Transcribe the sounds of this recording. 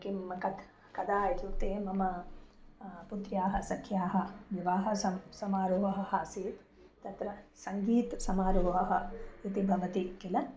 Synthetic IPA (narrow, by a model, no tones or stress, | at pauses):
kimɐkɐd̪ | kɐd̪aːjɐt̪ut̪eːmɐmɐ | put̪ɾjaːɦɐ̆sɐkʰjaːɦɐʋiʋaːɦɐsɐsɐmaːɾoːʋɐɦɐɦaːsiːt̪ | t̪ɐt̪ɾɐsɐŋɡiːt̪sɐmaːɾuːɦɐɦɐit̪ibʱɐʋɐt̪ikilɐ